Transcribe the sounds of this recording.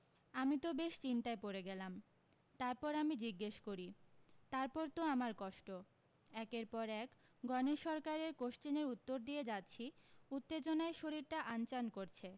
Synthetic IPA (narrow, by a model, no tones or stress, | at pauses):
amit̪obeʃt͡ɕint̪aepoɾeɡɛlam | t̪aɾpɔɾamid͡ʑiɡːeʃkoɾit̪aɾpɔɾt̪oamaɾkɔʃʈo | ɛkeɾpɔɾɛk | ɡɔneʃɔɾkaɾeɾkoʃt͡ɕineɾut̪ːoɾd̪ijed͡ʑatːɕʰiut̪ːed͡ʑonaeʃoɾiɾʈaʔant͡ɕankoɾt͡ɕʰe